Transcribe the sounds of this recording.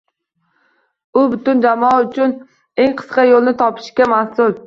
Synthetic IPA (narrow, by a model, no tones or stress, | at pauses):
ʊbʊt̪ʊnd͡ʒamɒaʊt͡ʃʰʊn | e̞ŋqʰɨ̥sqɑjolˠnɪt̪ʰɒpʰɪ̥ʃkʲamahsʊl